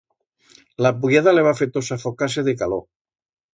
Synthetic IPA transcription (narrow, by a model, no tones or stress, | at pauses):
lapuɣaðaleβafet̪osafokas̬eðekalo